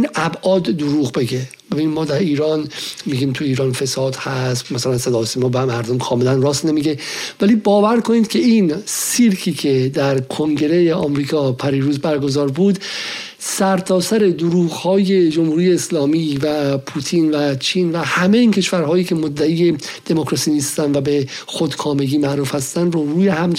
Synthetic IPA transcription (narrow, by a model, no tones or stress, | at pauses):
inæbʔɒːd̪ːoɾuːɣbe̞ɡe̞ | be̞biːnimɒːd̪æɾiːɾɒːnmiːɡiːmt̪ʰuiːɾɒːnfe̞sɒːd̪hæst̪mæsælænsed̪ɒːsimɒːbemæɾd̪omkʰɒːme̞lænrɒːst̪nemiːɡe̞væliːbɒːvæɾkʰo̞niːd̪̚kʰe̞insiɾkʰiːcʰe̞d̪æɾkʰoŋɡe̞ɾejeʔɒːmɾiːkʰɒːpʰæɾiːɾuːzbæɾɡo̞zɒːɾbuːd̪ | sæɾt̪ʰɒːsæɾe̞d̪oɾuːɣhɒːje̞d͡ʒomhuːɾiːjeːslɒːmiːvæpʰuːt̪ʰiːnvæt͡ʃʰiːnvæhæme̞jiːncʰe̞ʃvæɾɦɒːjiːcʰe̞mod̪ːæiːje̞ | d̪̥e̞mokɾɒsiːnist̪ænd̪væbe | xod̪kʰɒːme̞ɡiːmæɾuːfhæst̪ænd̪ɾoɾuːjeɦæm